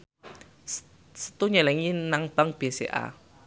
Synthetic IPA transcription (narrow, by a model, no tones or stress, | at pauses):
sə̥t̪uɲɛlɛŋinaŋb̥aŋb̥esḛʔa̰